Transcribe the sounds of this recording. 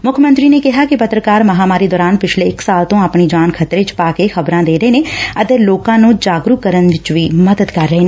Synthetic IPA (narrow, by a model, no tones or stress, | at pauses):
mʊkʰəmə̃nt̪ɾiːneːkɪɦaːkɪpət̪ɾəkaːɾməɦaːmaːɾiːd̪ɔːɾaːnpɪt͡ʃʰleːɪksaːlt̪õːaːpɳiːd͡ʒaːnkʰət̪ɾeːt͡ʃpaːkeːxʰəbɾãːd̪eːɾəeːneːət̪eːloːkãːnũːd͡ʒaːɡɾukəɾənʋɪt͡ʃʋiːməd̪əd̪kəɾːəɦeːne